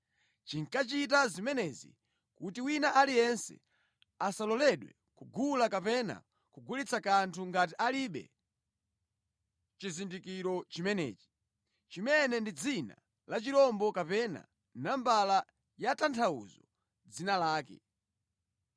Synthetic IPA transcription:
t͡ʃiŋkat͡ʃit̬azimɛnɛzḭ | kutiwinaʔalijɛnsɛ̰ | asalɔlɛɗwɛ̰ | kuɡulakapɛna̰ | kuɡulit͡sakantʰuŋɡat̬iʔaliɓɛ̰ | t͡ʃizindikiɾɔt͡ʃimɛnɛ̰ːt͡ʃi̥ | t͡ʃimɛnɛndid͡zina̰ | lat͡ʃiɾɔmbɔkapɛna̰ | nambala | jatantʰaṵzɔ | d͡zinalaːkɛ̰

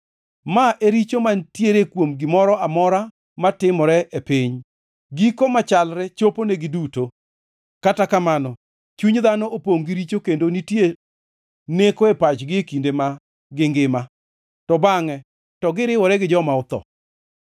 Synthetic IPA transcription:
maʔeɾit͡ʃomantjeɾekwomɡɪmɔɾɔamɔɾa | matɪmɔɾɛʔepɪɲ | ɡikomat͡ʃalɾɛt͡ʃoponeɡɪduto | katakamanɔ | t͡ʃuɲd̪anɔʔopoŋɡiɾit͡ʃokendonitje | nekoepat͡ʃɡɪekindema | ɡɪŋɡɪma | tɔbaŋɛ | tɔɡɪɾɪwɔɾɛɡɪd͡ʒɔmaʊt̪ɔ̰

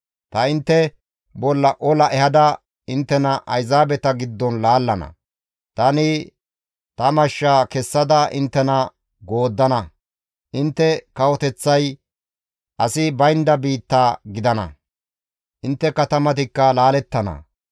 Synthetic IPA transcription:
t̪ɐɪnt̪ːɛ | bɔlːɐʔɔlɐʔɛhɐd̪ɐ | ɪnt̪ːɛnɐʔɐjzaːbɛt̪ɐɡɪd̪ːɔnlaːlːɐnɐ̰ | t̪ɐnɪ | t̪ɐmɐʃːaːkɛsːɐd̪ɐʔɪnt̪ːɛnɐ | ɡo̞ːd̪ːɐnɐ | ʔɪnt̪ːɛkɐwɔt̪ɛt͡sːɐj | ʔɐsɪbɐjnd̪ɐbiːt̪ːaːɡɪd̪ɐnɐ̰ | ʔɪnt̪ːɛkɐt̪ɐmɐt̪ɪkːɐlaːlɛt̪ːɐnɐ̰

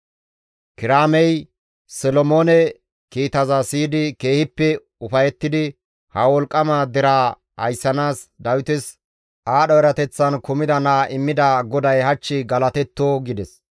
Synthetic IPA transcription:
kɪɾaːmɛj | sɔlɔmoːnɛ | kiːt̪ɐzɐsiːd̪ɪke̞ːhɪpːɛ | ʊfɐjɛt̪ːɪd̪ɪ | hɐwɔlkʼːɐmad̪ɪɾaː | hɐjsːɐnaːsd̪ɐwɪt̪ɪs | ʔaːɗɔɛɾɐt̪ɛt͡sːɐnkʊmɪd̪ɐnaːʔɪmːɪd̪ɐɡɔd̪ɐjhɐt͡ʃːɪɡɐlɐt̪ɛt̪ːoːɡɪd̪ɛs

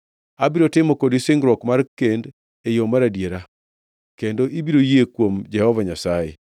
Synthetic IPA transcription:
abiɾotɪmɔkodisɪŋɡɾwɔkmarkend | ejomaɾadjeɾa | kendoʔibiɾojekwomd͡ʒɛhɔvaɲasajḛ

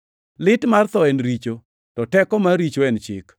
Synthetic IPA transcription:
lɪtmart̪ɔɛnɾit͡ʃo | tɔtɛkɔmaɾit͡ʃoɛnt͡ʃɪ̰k

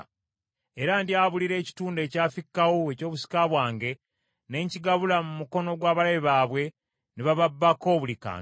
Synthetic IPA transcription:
eɾandiaːβuliɾe̞ːci̥tuːnde̞ːcaːfikːawoeco̞ːβusi̥kaβwaːŋɡe̞ | ne̞ɲciɡaβulamumuko̞no̞ɡwaːβalaβiβaːβwe̞ | niβaβabːako̞ːβulika̰ː

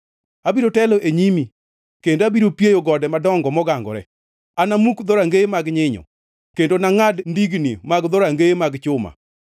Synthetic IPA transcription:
abiɾotɛloʔeɲimi | kendoabiɾopjejoɡɔdɛmadɔŋɡɔmɔɡaŋɡɔ̰ɾɛ̰ | anamukd̪ɔɾaŋɡeemaɡɲɪɲɔ̰ | kendonaŋadndiɡnimaɡd̪ɔɾaŋɡeemaɡt͡ʃʊma̰

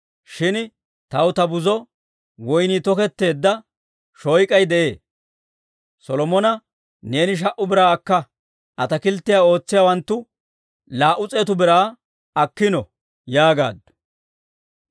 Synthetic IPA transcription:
ʃɪn | t̪ɐwt̪ɐbʊzɔ | wɔjnit̪ɔkɛt̪ːe̞ːd̪ːɐ | ʃɔjkʼɐjd̪ɛʔe̞ː | sɔlɔmɔnɐ | ne̞ːnɪʃ̬ɐʔʊbɪɾaːkːɐ | ʔɐt̪ɐkɪlt̪ːɪjaːo̞ːt͡sːɪjaːwɐnt̪ːʊ | laːʔʊt͡sʼeːt̪ʊbɪɾaː | ɐkːɪnɔ | jaːɡa̰ːd̪

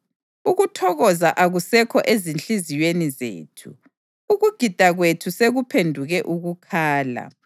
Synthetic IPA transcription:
uɣutʰɔɣɔzaʔaɣusɛkʰɔʔezint͡ɬiziwenizḛːtʰuː | ɣuɡ̥ʱid̥ʱaɣwetʰuseɣupʰendʱuɣɛʔuɣukʰaːla̰

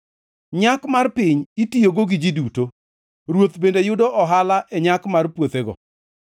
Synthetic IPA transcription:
ɲakmarpɪɲitijoɡoɡɪd͡ʒiduto | ɾwot̪bendejʊdɔʔɔɦalaʔɛɲakmarpwot̪eɡɔ̰

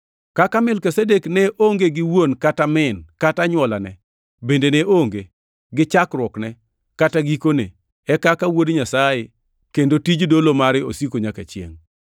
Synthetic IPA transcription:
kakamɪlkesedeknɛʔoŋɡeɡɪwonkatamɪnkataɲwɔlanɛ | bendenɛʔoŋɡe | ɡɪt͡ʃakɾwɔknɛ | kataɡikone | ɛkakawodɲasaje | kendotid͡ʒdolomaɾɪosikoɲakat͡ʃjḛŋ

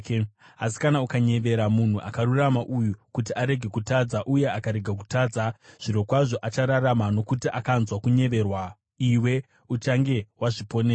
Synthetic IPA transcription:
a̰si̥kanaukaɲe̞ʋe̞ɾamun̤uʔakaɾuramaʔujukut̬iaɾe̞ɡʱe̞kutaːd͡zaʔuje̞akaɾe̞ɡʱak̬utaːd͡zaʐ̥iɾo̞kwaʐo̞ʔat͡ʃaɾaramano̞kutiʔakanzwakuɲe̞ʋe̞rwa | iwe̞ | ut͡ʃaŋɡe̞waʐipo̞ne

